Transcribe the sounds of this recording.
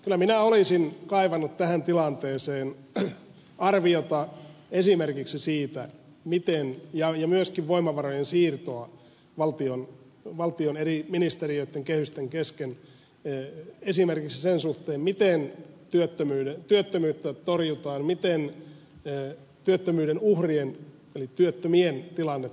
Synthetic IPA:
kylːˑæminæolisinkɑiʋɑnːut̪t̪æhænt̪ilɑnt̪eːseːn | ɑrʋiot̪ɑesimerkiksisiːt̪æ | mit̪enjɑjɑmyøskiʋʋoimːˑɑʋɑrojensiːrt̪oɑ | ʋɑlt̪ion | ʋɑlt̪ioneriminist̪erioit̪ːeŋkehyst̪eŋkesken | esimerkiksisensuht̪eːmmit̪ent̪yøt̪ːømyːdet̪yøt̪ːømyːt̪ːæt̪orjut̪ɑːnmit̪enː | t̪yøt̪ːømyːɾenuhrien | elit̪yøt̪ːømient̪ilɑnːet̪ː

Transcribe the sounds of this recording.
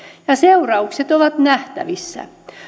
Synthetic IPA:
jɑseurɑukset̪oʋɑt̪næht̪æ̰ʋisːæ̰

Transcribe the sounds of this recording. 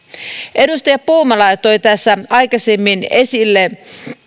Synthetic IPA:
ʔe̞dust̪ɑjɑpuːmɑlɑjt̪ojt̪æsːæɑjkɑsemːinesilːe

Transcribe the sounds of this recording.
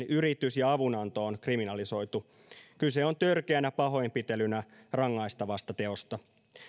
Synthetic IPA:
nyɾit̪ysjɑɑʋunɑnt̪oːnkriminɑliso̞jt̪u | kyse̞o̞nt̪ørkeænæpɑɦo̞jmpit̪elynærɑŋːɑjst̪ɑʋɑst̪ɑt̪e̞o̞st̪ɑ

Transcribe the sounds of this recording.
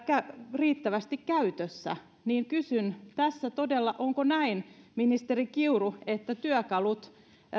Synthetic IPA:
kæriːt̪ːæʋæst̪ikkæyt̪øsːæ̰ | niːŋkysynt̪æsːæt̪odelːɑʔoŋkonæinminist̪erikiuruet̪ːæt̪yøkɑlut̪

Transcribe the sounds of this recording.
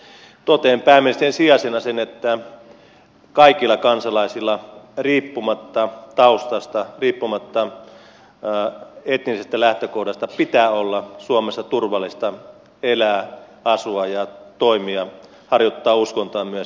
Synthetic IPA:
t̪ot̪eːmpæːmːensi̥t̪ensiɑsenɑsenet̪ːæ | kɑikilːˑɑkɑnsɑlɑisilːɑriːpːumɑt̪ːɑt̪ɑust̪ɑst̪ɑriːpːumɑt̪ːɑ | et̪nisest̪ælæht̪økohdɑst̪ɑpit̪æːolːɑsuomesːɑt̪urʋɑlːist̪ɑ | elæː | ɑsuɑjɑt̪oimiɑ | hɑrjot̪ːɑːuskont̪ɑːmyøs

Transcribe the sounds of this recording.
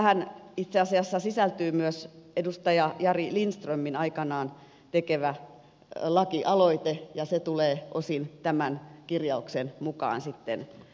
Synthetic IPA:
hænit̪seɑsiɑsːɑsisælt̪yːmyøsedust̪ɑjɑjɑrilinst̪rømːinɑikɑnɑːn | t̪ekeʋæ | lɑkiʔɑloit̪ejɑset̪uleːʔosint̪æmænkirjɑuksenmukɑ̰ːnsit̪ːḛn

